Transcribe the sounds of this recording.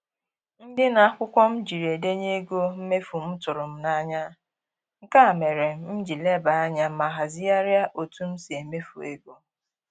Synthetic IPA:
n̩˦dɪ˦na˨a˦kʷʊ˦kʷɔ˦m̩˦d͡ʒi˨ɾe˨de˦ɲe˦ɡo˦m̩˦me˦fu˨m̩˦tʊ˨ɾʊ˨m̩˦na˦ɲa˦ | ŋ̩˦ka˦a˨me˨ɾe˨m̩˦m̩˦d͡ʒi˨le˦ba˨a˦ɲa˦ma˨ɦa˨zi˦a˦ɾja˦ʔo˨tu˦m̩˦si˨e˨me˦fṵ˨e˦ɡo˦

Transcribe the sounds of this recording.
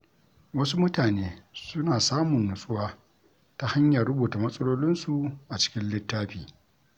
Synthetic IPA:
wɐ˦su˦mʊ˦taː˨neː˦sʊ˦naː˨saː˦mʊ˨nːʊ˨sʼʊ˦waː˦ | ta˨ha˦ɲjɐ˨rɽʊ˦buː˨ta˨mɐ˦sʼɐ˦loː˦lɪ˦nsu˨ʔa˨t͡ʃɪ̥˦kʲɪ˦nlɪ˦tːaː˦ɸiː˨

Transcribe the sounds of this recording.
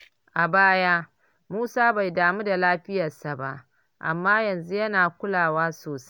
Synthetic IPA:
ʔa˨baː˦jaː˦ | muː˦saː˦ba˨jdaː˨mu˦da˨laː˦ɸɪ˦jɐ˨rsa˨ba̰˦ʔ | ʔa̰˨mːaː˦jɐ˨nzu˦jɐ˦naː˨kʷʊ˦laː˨waː˦soː˨sḁ˦

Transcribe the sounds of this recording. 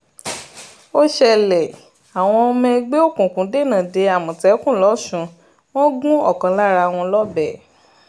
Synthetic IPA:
o˦ʃɛ˧lɛ˨ | a˨w̃ɔ̃˧mɛ̃˧ɡ͡be˦o˦˨kũ˨kũ˨˦de˦˨nã˨de˧a˨mũ˨tɛ˨˦kũ˦˨lɔ˨˦ʃũ˨˦ | w̃ɔ̃˦ɡũ˦ɔ˦˨kɔ̃˨˦la˦ɾa˧w̃ɔ̃˧lɔ˦bɛ˦˨

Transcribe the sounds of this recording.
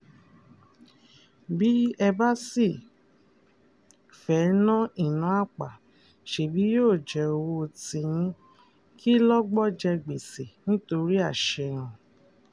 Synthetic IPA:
bi˦ɛ˧ba˦si˦˨ | fɛ˨˦nã˦i˦˨nã˨˦a˦˨k͡pa˨ | ʃe˨bi˨˦joː˦˨d͡ʒɛ˨o˧wo˧tĩ˧jĩ˦ | kʰi˦lɔ˦ɡ͡bɔ˦d͡ʒɛ˧ɡ͡be˨se˨nĩ˦to˧ɾi˦a˦˨ʃɛ˧˨ɾ̃ã˨

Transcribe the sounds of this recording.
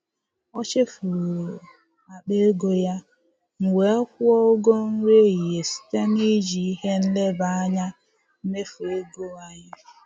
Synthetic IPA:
ɔ˦t͡ʃɪ˦fɾu˨ | a˨k͡pe˦ɡo˦ja˦ | ŋ̩˨we˨˦ɔ˦kʷʊ˦ɔ˦o˦ɡo˦n̩˦ɾe˦i˨je˨si̥˨˦te˦ni˦d͡ʒi˨i˦ɦe˦n̩˦le˦ba˨a˦ɲa˦ | me˦fu˨e˦ɡo˦a˦ɲɪ˦

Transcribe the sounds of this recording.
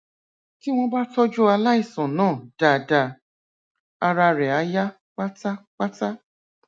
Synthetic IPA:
ki˦w̃ɔ̃˧ba˦tɔ˦d͡ʒu˦a˧la˦i˦˨sɔ̃˨nãː˦˨d̥a˨da˨ | a˧ɾa˧ɾɛ˨a˧˦ja˦ | k͡pa˦ta˦k͡pa˦ta˦

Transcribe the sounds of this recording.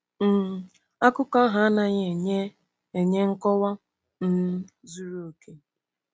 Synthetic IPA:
m̩˨ | a˦kʊ˦ka˦ɦa˨˦na˨ɲ˨ɲe˦ | e˨ɲe˦ŋ̩˦kɔ˦wa˦ | n̩˦zu˦ɾu˦o˨ke˦

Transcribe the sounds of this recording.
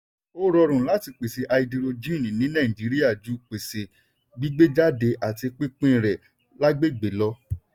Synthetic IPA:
o˦ɾɔ˧ɾ̃ũ˨la˨˦ti˧k͡pe˨se˨ʔa˧i˧de˧ɾo˧d͡ʒĩ˦˨nĩ˨nĩ˨˦nã˦˨ĩ˨d͡ʒi˨˦ɾi˦ja˦˨d͡ʒu˨˦k͡pe˨se˨ | bi˦ɡ͡be˦d͡ʒa˦de˧˦ʔa˨ti˧k͡pĩ˦k͡pĩ˦˨ɾɛ˨ | la˦ɡ͡be˦˨ɡ͡be˨˦lɔ˧˦

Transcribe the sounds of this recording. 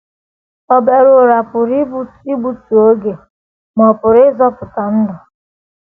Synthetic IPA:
ɔ˨be˨ɾʊ˨ɾa˨pʊ˨ɾi˦bu˦ti˦bu˦tu˨o˦ɡe˨ | mɔ˨pʊ˨ɾɪ˦zɔ˦pʊ˨ta˨n̩˦dɔ˨

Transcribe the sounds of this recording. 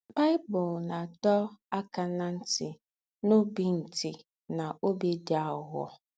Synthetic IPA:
ba˦ɪ˦bɔ˨lna˨dɔ˦a˦ka˨na˦n̩˦tɪ˨ | no˦bi˦n̩˨ti˨ | na˨ʔo˦be˦dɪ˨˦a˦˨ɦɔ̰˨

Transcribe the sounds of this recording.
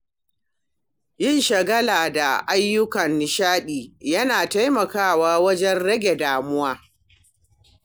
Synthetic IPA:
jɪ˦nʃɐ˨ɡɐ˦laː˨da˨ʔa˦jːʊ˦kɐ˨nːɪ˨ʃaː˦ɗiː˨jɐ˦naː˨ta˦jmɐ˨kaː˦˨waː˦wɐ˦d͡ʒɛ˦nɽɐ˦ɡʲe˨daː˨mʊ˦waː˦

